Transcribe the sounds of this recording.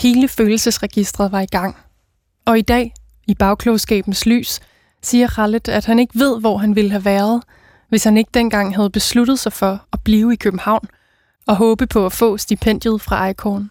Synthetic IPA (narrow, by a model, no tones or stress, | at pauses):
he̝ːləføːl̩səsʁɛɡ̥isd̥ʁɐðˠʋɑ̈iɡ̥ɑ̈ŋ̰ | ɒ̽id̥ɛ̰ː | ib̥ɑ̈ʊkʰlɔʊsɡ̥ɛ̰ːb̥n̩sly̰ːs | siːɐʁɑləd̥æd̥hæne̝ɡ̥əʋe̝ð̞̰ˠʋɒ̰ɦænʋeləɦæʋæːɐð̩ˠ | ʋe̝shæne̝ɡ̥əd̥en̰ɡ̥ɑ̈ŋ̰ɦæð̞̩ˠb̥e̝slud̥ð̩ˠsɑ̈ɪfɒ̽æb̥liːʊikʰøb̥m̩hɑ̈ʊ̰n | ɒ̽ɦɔ̽ːb̥əpʰɒ̽æfɔ̰̽ːsd̥ipʰen̰d̥jəð̞̩ˠfʁɑ̈ʔɑ̈ɪkʰɔːn